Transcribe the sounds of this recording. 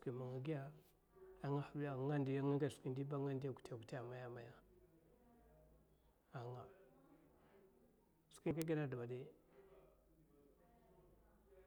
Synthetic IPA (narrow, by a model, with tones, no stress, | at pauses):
ki˨ma˨ŋa˨ɡi˦ja˦ | a˨ŋa˦xa˨bi˦ja˨ŋa˦ndi˨ja˦ŋa˦ɡa˨skʷi˨ndi˦ba˦ŋa˦ndi˦ja˨ku̥˨ta˨ku˨ti˦a˨ma˨ja˦ma˨ja˦ | a˨ŋa˨ | ski˦ka˦ɡi˦ɾa˦˨da˨ba˨de˦